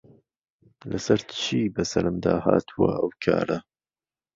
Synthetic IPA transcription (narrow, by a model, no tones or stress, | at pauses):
lɐsɐɾt͡ʃʰiːbɐsɐɾɨmd̪aːhaːt̪ʰuwɐ̰ʔɐwkʰaːɾɐ